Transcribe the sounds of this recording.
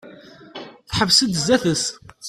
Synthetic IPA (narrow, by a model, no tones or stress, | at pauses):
θħəvsəd̪zːæθəs